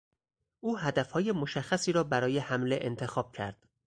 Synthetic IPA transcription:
ʔuːɦæd̪æfhɒːje̞mo̞ʃæxːæsiːɾɒːbæɾɒːjehæmleʔent̪ʰe̞xɒːb̥̚cʰæ̰ɾd̪̥

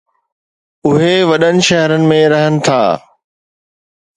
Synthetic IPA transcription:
ʊɦeʋɐɗənɪ̆ʃɐɦəɾənɪ̆mẽɾɐɦənɪ̆t̪ʰa̰ː

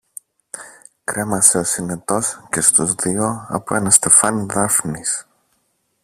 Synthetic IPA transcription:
kɾe̞mɐse̞osinet̪o̞sce̞st̪uzðio̞ɐ̰poenɐst̪e̞fɐniðɐfnis

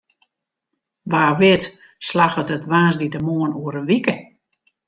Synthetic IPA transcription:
ʋaːʋɪt | slaxətətʋaːnsditəmoənuəɾənʋikə

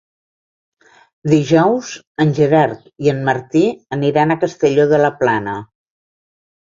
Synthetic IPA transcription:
d̪iʒɔwz | ənʲʒəɾaɾt̪iənməɾt̪iəniɾanəkəst̪əʎoðələplanə

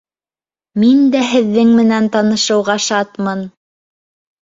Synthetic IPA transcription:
mind̪æɦɘ̆ðːɘŋmɘ̆nænt̪ɑnɤ̆ʃɤ̆wʁɑʃɑt̪mɤn

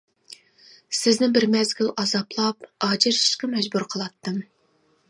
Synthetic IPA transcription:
sɪznɪŋbɪɾmɛzɡʲilʔɑzɑplˠɑp̚ɑːd͡ʒɪɾʃi̥ʃqɑmɛd͡ʒbuɾqʰəlˠɑt̪ːɨm

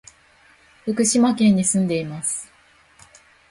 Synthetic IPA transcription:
ɸɯ̟kɯ̟ɕimakẽ̞ɲ̟ːisɨ̃nd̪e̞imasɨ̥

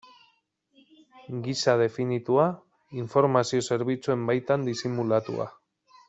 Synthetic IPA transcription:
ɡisað̞e̞finit̪ua | iɱfo̞ɾmasio̞se̞ɾβit͡sue̞mbajt̪and̪isimulat̪ṵa̰

